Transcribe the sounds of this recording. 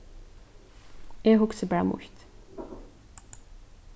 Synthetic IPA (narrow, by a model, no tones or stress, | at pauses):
eːhʊksəbæːʁmʊ̰lt̪